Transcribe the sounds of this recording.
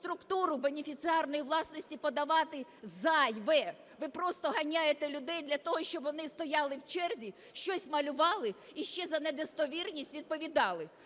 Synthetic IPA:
st̪ɾʊkt̪uɾʊbe̞nʲifʲit̪sɨɑrnɔjiʋlˠɑsnɔsʲtʲipɔd̪ɐʋɑt̪ɪzɑjʋɛ | ʋɪpɾɔst̪ɔɦɐnʲajet̪ɛlʲʊd̪ɛjd̪lʲɐt̪ɔɦɔʃt͡ʃɔbʋɔnɪst̪ɔjɑlˠɪwt͡ʃɛrzʲi | ʃt͡ʃɔsʲmɐlʲʊʋɑlˠɪiʃt͡ʃɛzɐned̪est̪ɔʋʲirnʲisʲtʲʋʲid̪̚pɔʋʲid̪ɑlˠɪ

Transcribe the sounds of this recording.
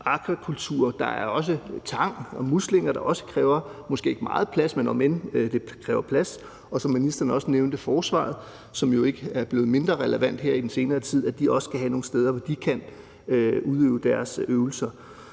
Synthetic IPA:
ɑ̈ɡ̥ʰʁɐkʰult͡sʰuːɐd̥ɑ̈æɐɒ̽s̬ət͡sʰɑ̈ŋ̰ɒ̽musle̝ŋɐɾ̥ɑ̈ʔɒ̽sə̥kʰʁɛːʊɐmɔ̽sɡ̥e̝̰ːe̝ɡ̥mɑ̈ːð̩ˠpʰlæsmenɒ̽mend̥e̝kʰʁɛːʊɐpʰlæs | ɒ̽sɒ̽mːinisd̥ɐːn̩ɒ̽səneʊnd̥əfɒːsʋɑ̰̈ːð̩ˠ | sɒ̽mjo̝e̝ɡ̥əæɐb̥le̝ːð̩me̝nd̥ʁɐʁɛləʋæn̰d̥heɐ̰id̥ense̝ːnɐːt͡sʰið̞̰ˠæd̥iʔɒ̽sə̥kʰæɦæno̝ːn̩sd̥eð̞ˠɐʋɒd̥ikʰæn | øuð̞ˠø̰ːʊd̥æɐsøʊl̩sɐ

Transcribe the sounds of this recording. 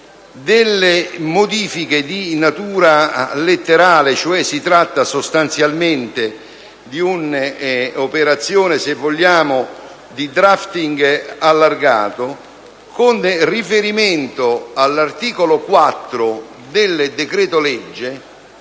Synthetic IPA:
d̪ɪlːemod̪iːfiked̪inat̪uːɾalet̪ːeɾaːlɪt͡ʃoɛsːit̪ɾat̪ːasost̪ant̪sjalment̪e | d̪iun | opeɾat̪sːjoːnesevːoʎːaːmʊ | d̪id̪ɾaft̪iŋɡalːarɡa̰ːt̪o | kʊnrifeɾimeɪnt̪oalːart̪iːkolokwat̪ːɾʊ | d̪ɪlːd̪ekɾɛːt̪olɛd͡ʒːe

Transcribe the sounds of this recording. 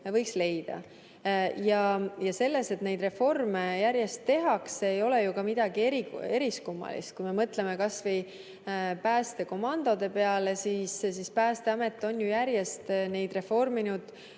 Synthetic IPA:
vɤjksle̞jd̪̥ɑ̰ | jɑjɑse̞lːese̞t̪ne̞jd̪re̞fo̞rmejæɾje̞st̪ːe̞ɦɑkseejo̞lejukɑmid̪̥ɑɡ̥ieɾie̞ɾiskumːɑ̰lḭst̪̚kujme̞mɤt̪ˑle̞me̞kɑsvej | pæːst̪e̞ko̞mɑnd̪̥o̞d̪̥e̞pe̞ɑle̞siːssispæːst̪e̞ɑme̞t̪ːˑo̞njujæɾje̞st̪ne̞jd̪̥re̞fo̞rminud̪̥

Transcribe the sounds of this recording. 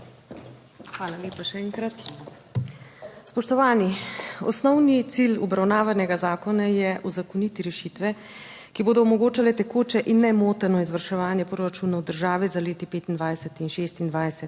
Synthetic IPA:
xʋaːlaljeːpaʃɛɛːŋkɾat̪ | spɔʃt̪ɔʋaːniɔ̰snɔwnit̪silɔ̰bɾawnaːʋanɛɡazaːkɔnajɛʔuzakoniːt̪iɾɛʃiːt̪ʋɛ | kiboːd̪ɔɔmɔɡoːt͡ʃalɛt̪ɛkoːt͡ʃɛʔinːɛmoːt̪ɛnɔizʋəɾʃɛʋaːnjɛpɾoɾat͡ʃuːnawd̪əɾʒaːʋizaleːt̪ipeːt̪ind̪ʋaːjsɛt̪inʃeːst̪ind̪ʋaːjsɛt̪

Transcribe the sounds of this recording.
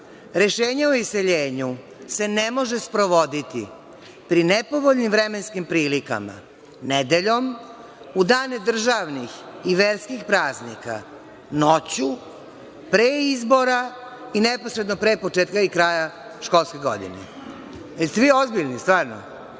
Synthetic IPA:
ɾe̞ʃeːɲaoiseʎeːɲu | se̞nemo̞ʒespɾo̞ʋo̞d̪it̪ḭ | pɾinepoʋoʎʲnimʋɾemenskimpɾiːlika̰ma̰ | ned̪eʎo̞m | ud̪aːned̪r̩ʒaʋnixiʋeɾskixpɾaːznika̰ | not͡ɕu | pɾeizbo̞ɾa | inepo̞sɾed̪no̞pɾepo̞t͡ʃeːt̪kaikɾaːjaʃko̞lˠskeɡo̰d̪ḭnḛ | jelst̪eʋio̞zbiʎnist̪ʋaːɾno̰

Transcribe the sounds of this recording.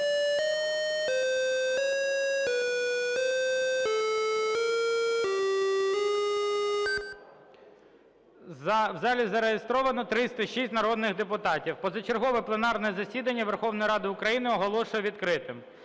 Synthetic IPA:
wzɑlʲizɐɾejɪst̪ɾɔʋɐnɔt̪ɾɪsʲt̪ɐʃisʲtʲnɐɾɔd̪nɪɣd̪epʊt̪ɑtʲiwpɔzɐt͡ʃerɦɔʋɛplˠenɑrnɔjɛzɐsʲid̪ɐnʲːɐʋerxɔwnɔjiɾɑd̪ɪʊkɾɐjinɪɔɦɔlˠɔʃʊjɛʋʲid̪kɾɪt̪ɪm

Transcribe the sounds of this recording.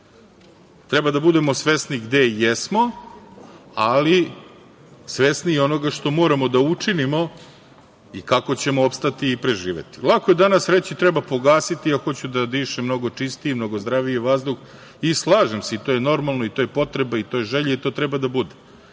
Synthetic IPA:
t̪ɾebad̪abud̪e̞mosʋesniɡd̪e̞jɛsmo̞ | ali | sʋesnieo̞no̞ɡaʃt̪o̞mo̞ːɾamod̪aut͡ʂinimo̞ | ikako̞t͡ɕe̞moopst̪at̪iːpɾe̞ʒiːʋḛt̪i̥lˠakojed̪anasɾet͡ɕit̪ɾɛbapo̞ɡaːsit̪iaxo̞t͡ɕud̪ad̪iːʃemno̞ɡo̞t͡ʂist̪iimno̞ɡozd̪ɾaʋijeʋazd̪ux | islˠaːʒemseit̪o̞ːjeno̞ɾmalˠno̞it̪ojepo̞t̪ɾebait̪o̞jeʒeʎeit̪o̞ːt̪ɾɛbad̪abud̪e

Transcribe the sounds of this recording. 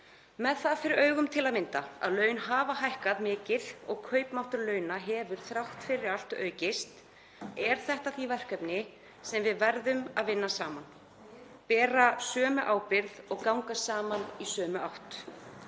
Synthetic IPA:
mɛðθaðfɪɾɪɾœːɥɣʏmt̪ʰɪlaðmɪnt̪aa̰ðlœːɥnɦaːvaɦajhkaðmɪːcɪðɔɣkʰœːɥpmawht̪ʏɾlœːɥnaɦɛːvʏɾ̥θɾawht̪fɪɾɪɾal̥t̪œ̰ːɥcɪst̪ | ɛɾ̥θɛht̪aθivɛr̥kœpnɪ | sɛmvɪðvɛɾðʏmaðvɪnːasaːman | pɛːrasœːmʏʔaːwpɪɾðɔɣkawŋkasaːmanisœːmʏʔawht̪

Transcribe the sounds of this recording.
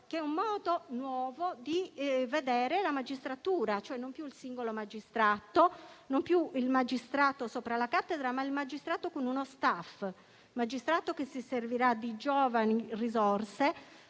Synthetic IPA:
keɛumːɔːd̪onwɔːvod̪ived̪ɛːɾelamad͡ʒist̪ɾat̪uːɾat͡ʃoɛnːompjuilsiŋɡolomad͡ʒist̪ɾat̪onompjuilmad͡ʒist̪ɾaːt̪osoːpɾalakat̪ːed̪ɾamailmad͡ʒist̪ɾaːt̪okonunost̪af | mad͡ʒist̪ɾaːt̪okesiserviɾad̪id͡ʒɔːvanirizorse

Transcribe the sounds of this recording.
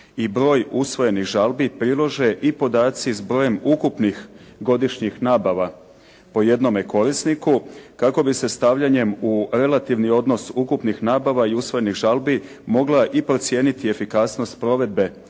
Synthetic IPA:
ibɾo̞ːjusʋo̞je̞niɣʒalˠbipɾilˠoʒeʔipo̞d̪aːt̪sizbɾo̞ːje̞mukupnix | ɡo̞d̪iʃɲixnaːbaʋa | po̞je̞d̪no̞me̞ko̞ɾisnikukako̞bise̞st̪aʋʎaɲe̞muɾe̞lat̪iʋnio̞d̪no̞sukupnixnaːbaʋaiusʋo̞je̞niɣʒalbi | mo̞ɡlaʔipɾo̞t̪sje̞ːnit̪ie̞fikasno̞st̪̚pɾo̞ʋe̞d̪̚be̞

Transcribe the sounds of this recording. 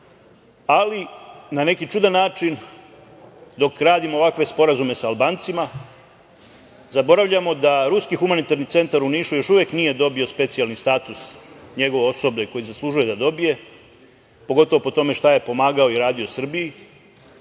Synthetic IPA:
alinane̞kit͡ʃud̪anːaːt͡ʂin | d̪o̞kɾaːd̪imoːʋakʋe̞spo̞ɾazume̞saːlbaːnt̪sima | zabo̞ɾaʋʎamo̞d̪aɾuskixumanit̪aɾnit̪se̞nt̪aɾuniːʃujo̞ʃuʋjeknije̞d̪o̞bio̞spe̞t̪sijalnist̪aːt̪usɲe̞ɡo̞ʋeo̞sobʎe̞ko̞jizaslˠuʒuje̞d̪ad̪o̞bije̞ | po̞ɡo̞t̪oo̞po̞t̪o̞me̞ʃt̪aje̞po̞maːɡao̞iɾaːd̪io̞sr̩bii

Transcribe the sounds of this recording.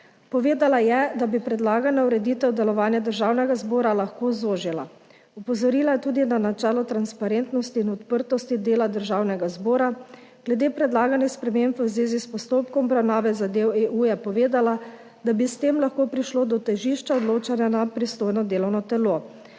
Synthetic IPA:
pɔʋeːd̪alajɛd̪abipɾɛd̪laːɡanauɾɛd̪iːt̪ɛwd̪ɛlɔʋaːnjad̪əɾʒaːwnɛɡazbɔːɾalaxkoːzoːʒila̰ | upɔzɔɾiːlajɛt̪uːd̪inanat͡ʃɛːlɔt̪ɾanspaɾent̪nɔst̪iːnɔt̪pəɾt̪ɔst̪id̪eːlad̪əɾʒaːwnɛɡazboːɾaɡ̥lɛd̪eːpɾɛd̪laːɡanɛspɾɛmempwzʋeːzispɔst̪oːpkɔmɔbɾawnaːʋɛzad̪eːweʔujɛpɔʋeːd̪ala | d̪abist̪emlaxkoːpɾiʃloːd̪ɔt̪ɛʒiːʃt͡ʃaɔd̪loːt͡ʃanjanapɾist̪oːjnɔd̪eːlɔwnɔt̪ɛlo

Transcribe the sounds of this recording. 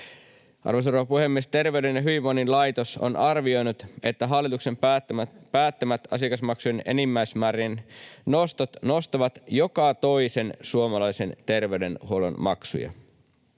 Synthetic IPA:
ʔɑ̰rʋos̬oɾoʋɑpuhe̞mːiest̪e̞rʋe̞yɥde̞njɑɦyʋiʋoninlɑjt̪o̞so̰nʔɑrʋio̞jnut̪e̞t̪ːæɦɑlːit̪ukse̞m | pæːt̪ːemæt̪ɑ̰siɑkɑsmɑksujene̞̰nimːæjsmæːɾinnost̪ot̪no̞st̪ɑʋɑt̪jo̞kɑt̪o̞jse̞nsuomɑlɑjse̞nt̪e̞rʋe̞yɥde̞nhuolo̰nmɑ̰ksṵjɑ̰

